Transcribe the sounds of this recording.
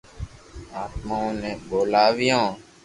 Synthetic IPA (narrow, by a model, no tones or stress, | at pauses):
aːt̪maõnɛ̃ːɓoːlaːʋijõː